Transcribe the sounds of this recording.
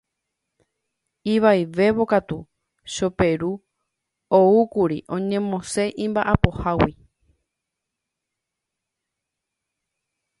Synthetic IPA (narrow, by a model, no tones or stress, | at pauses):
iʋajʋe̞βo̞kat̪u | ʃo̞pe̞ɾu | oukuɾiʔõ̞ɲẽ̞mõ̞se̞ʔĩmbaʔapo̞hawi